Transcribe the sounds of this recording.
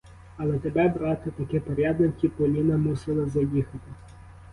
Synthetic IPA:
ɐlˠɛt̪ebɛbɾɑt̪ɪt̪ɐkɪpɔɾʲjɑd̪nɪkʲipɔlʲinɐmusɪlˠɪzɐjixɐt̪ɪ

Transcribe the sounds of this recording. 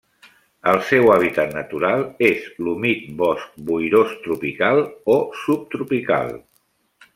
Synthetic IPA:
əlˠsɛwaβ̞it̪at̪nət̪uɾalˠezlumit̪̚bɔsk̚bujɾost̪ɾupikalˠosup̚t̪ɾupika̰lˠ

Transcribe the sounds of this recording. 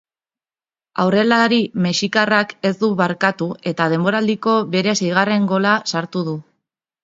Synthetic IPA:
awre̞laɾimeʃikarake̞zd̪uβaɾkat̪uʔe̞t̪að̞e̞mbo̞ɾald̪iko̞βe̞ɾe̞sejɣ̞are̞ŋɡo̞lasaɾt̪uð̞u

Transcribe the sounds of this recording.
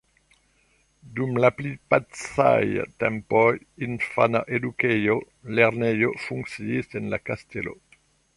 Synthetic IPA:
d̪umlaplipatsa̰jt̪ɛmpɔj | infanaʔed̪ukɛjo | lɛʁnɛjofuŋksiisɛnla̰kast̪elo̰

